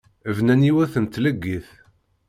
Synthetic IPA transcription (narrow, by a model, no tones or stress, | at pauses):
əvnæniwæθənt̪ːləɡːiθ